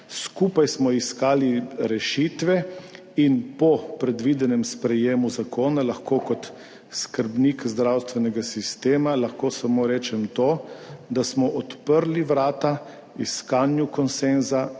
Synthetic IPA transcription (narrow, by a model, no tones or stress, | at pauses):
skupajsmɔiskaːliɾɛʃit̪ʋɛ | inpɔpɾɛd̪ʋid̪ɛnɛmspɾɛjeːmuzakʰoːnalaxkoːkɔt̪ | skəɾbnikzd̪ɾawst̪ʋɛnɛɡasist̪eːmalaxkoːsamoːɾɛːt͡ʃɛmt̪oːd̪asmɔʔɔt̪pəɾliʋɾaːt̪a | iskanjukɔnsenza